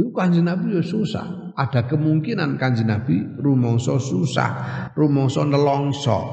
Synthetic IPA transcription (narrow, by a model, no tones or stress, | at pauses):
ukaɲd͡ʒinab̥ijosusa̰h | ʔad̥a̤kəmuŋkinankaɲd͡ʒinab̥iɾumɔŋsɔsusa̰hrumɔŋsɔnəlɔŋsɔ̰